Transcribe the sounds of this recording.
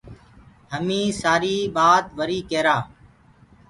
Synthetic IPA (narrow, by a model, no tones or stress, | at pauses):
ɦəmĩːsaːɾiːɓaːt̪ʋəɾiːkeːɾaː